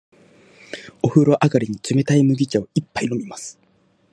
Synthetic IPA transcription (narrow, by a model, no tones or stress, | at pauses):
o̞ɸɯ̟ɾo̞ʔaɡaɾʲiɲ̟it͡sɨme̞t̪aimɯ̟ɡʲit͡ɕaoipːaino̞mʲimasɨ̥